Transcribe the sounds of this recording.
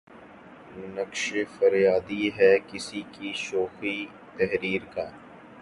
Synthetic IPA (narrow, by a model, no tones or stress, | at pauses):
mʊnəkʃefɐɾjaːd̪iɦɛːkɪsikiʃoːxi | t̪ɛɦɾiːɾkaː